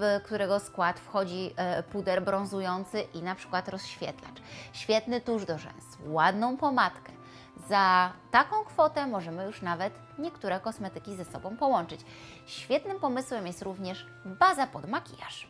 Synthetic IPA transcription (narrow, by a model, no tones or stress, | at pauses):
kt̪uɾɛɡɔskwat̪fxɔd͡ʑipud̪ɛɾbɾɔ̃ñzujɔnt̪sɘʔinapʂɘ̥kwat̪ɾɔsɕfʲjɛ̰t̪la̰t͡ʂɕfʲjɛt̪nɘt̪uʐd̪ɔʐɛ̰nswad̪nɔ̃w̃pɔmat̪kɛ | zat̪akɔ̃w̃kfɔt̪ɛmɔʐɛmɘjuʂnavɛt̪ | ɲɛkt̪uɾɛkɔsmɛt̪ɘkʲizɛsɔbɔ̃w̃pɔwɔnt͡ʂɘt͡ɕ | ɕfʲjɛt̪nɘmpɔmɘswɛmjɛst̪ɾuvɲɛʂ | bazapɔd̪makʲḭjaʂ